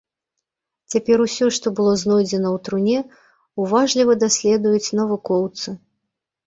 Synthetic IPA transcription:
t͡sʲapʲɛɾusʲɔʂt̪ɔbɨlˠɔznɔjd͡zʲɛnɐwt̪ɾunʲɛ | uvaʐlʲivɐd̪asʲlʲɛd̪ujut͡sʲnɐvukɔwt̪sɨ

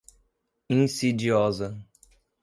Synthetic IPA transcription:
ĩsid͡ʒiɔzɐ

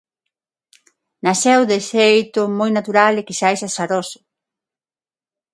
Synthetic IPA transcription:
nasɛwðesejt̪ʊmojnat̪uɾalekisajsasaɾosʊ̥

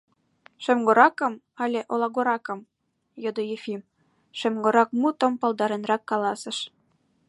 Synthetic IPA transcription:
ʃømɡoɾɑkə̆m | ɑlʲeʔolɑɣoɾɑkə̆m | jod̪ojefim | ʃø̆mɡoɾɑk̚mut̪ə̆mpɤ̆lˠd̪ɑɾenrɑkːɑlɑsə̆ʃ

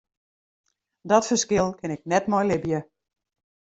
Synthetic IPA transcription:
dɔtfəskɪlˠkʰɪnɪk̚nɛtmɔjlɪbjə

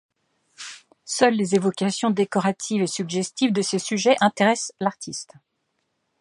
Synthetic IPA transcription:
sœlːezevɔkʲasjɔ̃d̪ekɔʁat̪ʰivesyɡʒɛst̪ivd̪əsesyʒɛʔɛ̃t̪eʁɛslaʁt̪ʰist̪

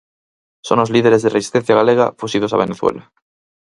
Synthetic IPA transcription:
sono̞zliðeɾezðeresi̥st̪en̟θjaɣaleɣ̞a̰fusið̞o̞sa̰β̞eneθwḛla

